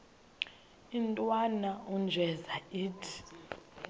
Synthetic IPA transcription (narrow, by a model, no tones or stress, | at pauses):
intʼwanaund͡ʒʱɛzaiːtʰi̥